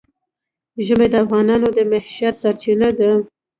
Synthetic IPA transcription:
ʒəmed̪əafɣɑnɑnod̪əmɪhʃaɾsaɾt͡ʃinad̪a

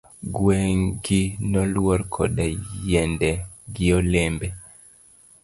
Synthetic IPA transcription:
ɡwɛŋɡinɔlwɔɾkʰɔ̰dajɛndɛɡɪɔlembɛ

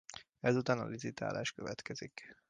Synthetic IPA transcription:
ɛzut̪aːnɒlisit̪ʰa̰ːlʔaːʃkøvɛt̪kɛzik

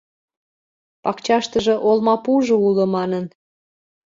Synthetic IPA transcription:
pɑkt͡ɕɑʃt̪əʒɤ̆ʔolmɑpuʒoulə̆mɑnən

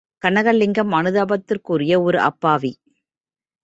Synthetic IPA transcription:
kɐnɐɣɐɭːɪŋɡɐmɐnɯðaːbɐt̪ːɪrkurɪjɐɔɾɯʔɐ̰pːaːʋi

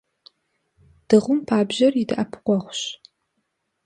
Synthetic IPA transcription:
d̥ɨʁʷʊmpʰaːbʑɐrjɪdɨʔɐpʰqʷɔʁʷɕ

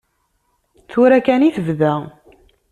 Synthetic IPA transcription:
θuɾækæniθəvðæ

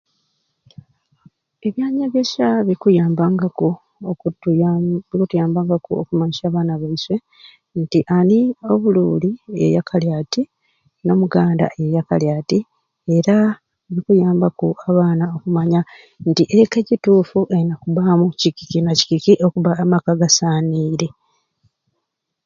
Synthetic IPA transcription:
e̞βjaːɲaɡeʃaβikujaːmbaŋɡako | βikutujaːmbaːŋɡakuokumaɲiʃaːβaːnaβaiswe̞ | ntiʔanio̞βuluːlie̞̰jakʰaljaːti | no̞muɡaːnda̰ʔe̞jakaljaːti | e̞ɾa | βikujaːmbakuaβaːnao̞kumaɲa | ntiʔeke̞cituːfuʔe̞nakuβamucikikinaci̥kikiʔokuβamakaɡasaːniːɾe̞

